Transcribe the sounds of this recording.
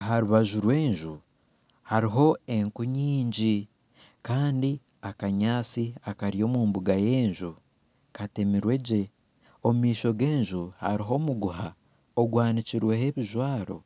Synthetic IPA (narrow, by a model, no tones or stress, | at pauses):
haɾuβaʒuɾwe̞ːɲʒu | haɾiɦo̞e̞ŋkuɲiːɲɟi | kaːndi | akaɲaːt͡siakaɾijo̞ːmuːmbuɡaje̞ːɲʒu | kate̞miɾwe̞ɟe̞ | omumiːʃo̞ɡe̞ːɲʒuha̰ɾiɦo̞muɡuɦa | oɡwaːniciɾwe̞he̞βiʒwaːɾo̞̰